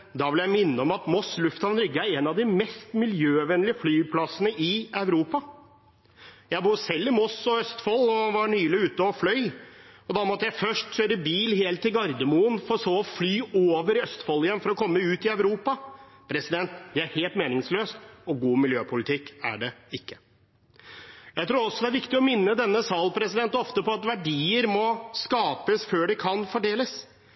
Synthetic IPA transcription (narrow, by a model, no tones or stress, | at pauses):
d̪ɑʋɪljæɪmɪnːəɔmɑt̪mɔslʉft̪ɑʋnɾʏɡːəæɾɛːnɑʋd̪ɪmɛst̪mɪljøːʋɛnlɪəflyːpʰlɑsənəʔɪɑʉɾuːpɑ | jæɪbuːɾsɛlːɪmɔsɔœst̪fɔlɔʋɑɳyːlɪʉːt̪ːəɔflœʏɔd̪ɑmɔt̪ːəjæɪfœʂʈɕøːɾəbiːlheːlt̪ʰːɪlɡɑɾd̪əmuːənfɔɾsoːɔflyːoːʋəɾœst̪fɔlːɪjɛnːfɔɾɔkʰɔmːəʉːt̪ɪœʉɾuːpɑ | pʰɾɛsɪd̪ɛnt̪d̪ææɾheːlt̪meːnɪŋsløːst̪ɔɡuːmɪljøːpʰʊlɪt̪ʰɪkːæ̰ɖɛɪkːə̥ | jæɪt̪ʰɾuːɾɔsːɔd̪ɛæɾʋɪkt̪ɪɔmɪnːəd̪ɛnːəsɑːlpʰɾɛsɪd̪ɛnt̪ɔft̪əpɔɑt̪ʋæɖiːəɾmɔskɑːpəsføːɖɛkʰɑnfɔɖeːləs